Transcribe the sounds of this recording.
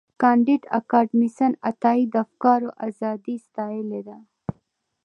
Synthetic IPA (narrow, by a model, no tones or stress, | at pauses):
kɑɳɖiʈa̰kɑɖmisənat̪ɑid̪afkɑːɾoʔazɑd̪ist̪ɑjeled̪a